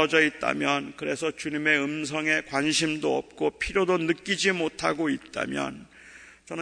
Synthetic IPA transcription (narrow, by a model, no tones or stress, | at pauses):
ʌd͡ʑʌit̚t͈a̰mjʌnkɯɾe̞sʰʌt͡ɕuɲimeɯmsʰʌŋe̞kwanɕʰimdoʌ̰p̚k͈opʰiɾjodonɯk͈id͡ʑimotʰaɡoit̚t͈a̰mjʌ̰n | t͡ɕʌn